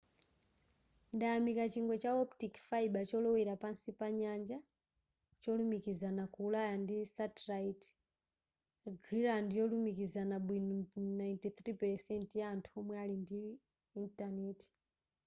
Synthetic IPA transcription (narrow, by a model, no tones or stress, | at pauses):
ndajamikat͡ʃiŋɡɔt͡ʃaɔptikfaiɓat͡ʃɔlɔwiɾapansipaɲand͡ʒa | t͡ʃɔlumikizanakuːlajandisatlait | ɡɾiɾandjɔlumikizanabwinunajntit̪ɾipɛɾsɛntjaːntʰuɔmwɛalindiː | ntanɛːti̥